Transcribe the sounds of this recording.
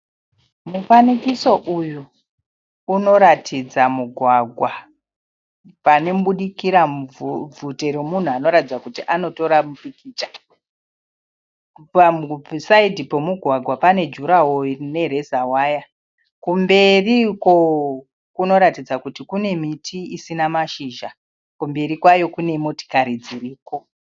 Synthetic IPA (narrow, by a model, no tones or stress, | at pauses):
mufanikiso̞ʔuju | uno̞ɾatʰid͡zamuɡʱwaɡʱwa | pane̞muɓuɗikiɾavʱute̞ɾemun̤uano̞ɾatid͡zakutiʔano̞to̞ɾamupikiːt͡ʃḁ | pamusaidʱipo̞muɡʱwaɡʱwapane̞d͡ʒuɾawone̞ɾe̞zawaːja | kumbe̞riko̞ | kuno̞ɾatid͡zakutikune̞mitʰiisinamaʃiːʒa | kumbe̞ɾikwajo̞kune̞mo̞ti̥kaɾid͡ziriːko̞